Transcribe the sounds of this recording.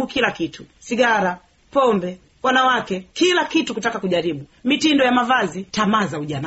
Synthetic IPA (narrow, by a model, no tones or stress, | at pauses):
ukilakitʰusiɡaɾa | pɔmbɛ | wanawakɛkilakitukutakakuʄaɾiɓumitindɔjamavazitamazauʄana